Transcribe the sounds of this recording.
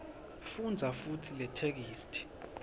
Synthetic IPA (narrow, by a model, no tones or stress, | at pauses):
fund͡zʱafutʰilɛtʰek̬iːstʰʼi̥